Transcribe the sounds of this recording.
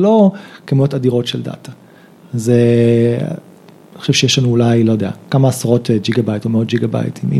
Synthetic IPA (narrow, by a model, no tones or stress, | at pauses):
lo̞kamo̞tadiʁo̞tʃelda̰ta | zḛ | niχo̥ʃevʃejeʃlanuːlajlo̞jd̪ea̰kamaːsaʁo̞ted͡ʒiɡabajtomeo̞t̚d͡ʒiɡaba̰j̰timḭ